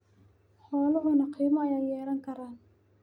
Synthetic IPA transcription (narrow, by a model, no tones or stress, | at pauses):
ħɔːlɔɦʊnɐqʰiːmɐɐjaːjɛːɾɐŋkʰɐɾaːn